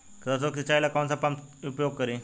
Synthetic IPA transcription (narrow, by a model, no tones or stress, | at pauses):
kd͡zasokit͡ɕajlakant͡sapamupjoɡ̚kəɾi